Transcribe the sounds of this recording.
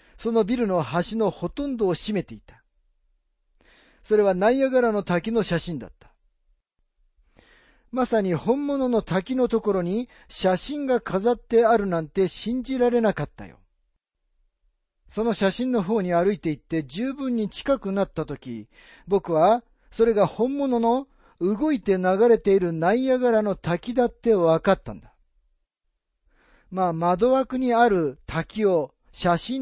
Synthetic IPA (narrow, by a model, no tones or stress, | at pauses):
so̞no̞bʲiɾɯ̟no̞haɕino̞ho̞t̪õ̞nd̪oːɕime̞t̪e̞it̪ḁ | so̞ɾe̞β̞anaiaɡaɾano̞t̪akʲino̞ɕaɕĩnd̪a̰t̪ːḁ | masaɲ̟ihõ̞mːo̞no̞no̞t̪akʲino̞t̪o̞ko̞ɾo̞ɲ̟i | ɕaɕĩŋɡakʰazat̪ːe̞aɾɯ̟nãnt̪e̞ɕĩɲ̟d͡ʑiɾaɾe̞nakat̪ːa̰jo̞̰ | so̞no̞ɕaɕĩnːo̞ɦo̞ːɲ̟iaɾɯ̟it̪e̞it̪ːe̞d͡ʑɨːbɯ̟̃ɲ̟ːit͡ɕi̥kakɯ̟nat̪ːat̪o̞kʲi | bo̞kɯ̟βa | so̞ɾe̞ɡahõ̞mːo̞no̞no̞ | ɯ̟ɡo̞it̪e̞naɡaɾe̞t̪e̞iɾɯ̟naijaɡaɾano̞t̪akʲid̪at̪ːe̞βakat̪ːã̰nd̪a | maːmad̪o̞βakɯ̟ɲ̟iaɾɯ̟t̪ʰakʲio̞ | ɕaɕĩ